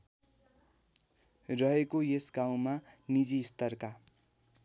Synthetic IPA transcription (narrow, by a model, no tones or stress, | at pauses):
rʌɦekojesɡaw̃manid͡zist̪ʌrka